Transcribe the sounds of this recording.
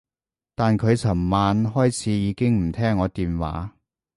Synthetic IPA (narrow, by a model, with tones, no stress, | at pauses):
t̪aː˨nkʰɵ˨˧ɥt͡sʰɐ˨˩mmaː˨˧nɦɔː˥jt͡sʰiː˨˧˥jiː˨˧kɪ˥ŋm̩˨˩t̪ʰɛː˥ŋːɔː˨˧t̪iː˨nwa̰ː˨˥